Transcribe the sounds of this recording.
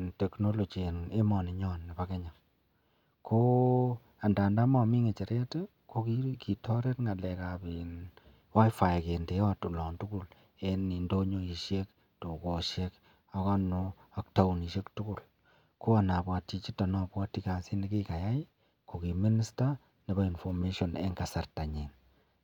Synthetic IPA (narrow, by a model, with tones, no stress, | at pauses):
te˨kno˦lo˨d͡ʒe˨ne˦mɔ˨ni˨ɲɔ˦nːi˨pa˦ke˦ɲa˨ŋ | kʰo˦ | a˨nda˨nda˦mɔ˨mi˦ŋe˨t͡ʃe˨ɾe˦te˦ | ko˦ki˦ki˨tʰɔ˦ɾe˦tŋa˨lɛ˨ka˨pi˨n | wa˦jfa˨jke˨nde˨jɔ˦tu˨lɔ˨ntu˦ku˨l | e˦ni˨ndo˦ɲo˦i˨ʃe˦k̚ | to˨ko˨ʃek | a˦kɔ˦nu˨a˨kta˦u˨ni˨ʃe˦ktu˦ku˦˨l | ko˦a˨na˨bwa˨tːi˨t͡ʃi˦ta˨nɔ˦˨pwa˦tːi˨ka˨si˦ni˦ki˦ka˨ja˦jɪ˦ | ko˨ki˨mi˦ni˦sta˦ | ne˨ba˦i˨nfɔ˨me˦ʃɔ˨nḛ˦ŋɡa˨sa˨rta˨ɲi˨n